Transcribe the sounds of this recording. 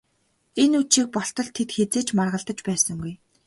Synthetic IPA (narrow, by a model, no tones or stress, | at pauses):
enut͡ɕiːk̚pɔɬt̪ɞ̆ɮt̪ʰːet̪xet͡seːt͡ɕmarʁə̆ɮt̪ə̆t͡ɕpæːsə̆ŋɡuj